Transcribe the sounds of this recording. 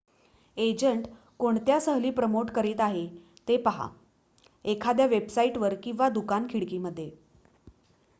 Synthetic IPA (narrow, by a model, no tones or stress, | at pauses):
ed͡ʑəɳʈ | koɳt̪jasəɦliːpɾəmoʈkəɾiːt̪aɦe | t̪epaɦa̰ | ekʰad̪jaʋebsaiʈʋəɾkĩw̃ʋad̪ukankʰiɽkiːməd̪ʱːje